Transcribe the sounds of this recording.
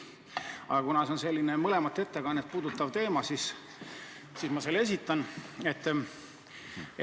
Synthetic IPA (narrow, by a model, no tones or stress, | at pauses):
ɑ̰ɡ̥ɑkunɑseonse̞lʲːinemɤle̞mɑt̪ːˑe̞t̪ːe̞kɑnːet̪̚puːd̪ut̪ːˑɑvt̪e̞ːmɑsis | sismɑselːe̞s̬it̪ːˑɑnet̪ːˑ